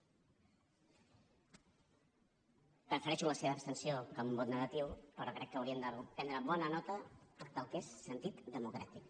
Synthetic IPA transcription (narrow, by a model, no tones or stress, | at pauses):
pəfəɾɛʃuləseβaəːpst̪ənsjokəmumbot̪nəɣat̪iwpəɾɔkɾɛkːəwɾiənd̪aɾupɛnd̪ɾəβɔnənɔt̪əəpəlˠkesːənt̪it̪d̪əmukɾa̰t̪ik